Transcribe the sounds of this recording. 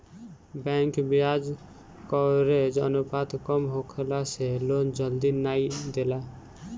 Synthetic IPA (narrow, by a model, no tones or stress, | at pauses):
bɛ̃ŋkbiad͡ʒ | kɔɾed͡ʒə̰nupat̪kɔmɦokʰlaselond͡ʒəld̪inaid̪ela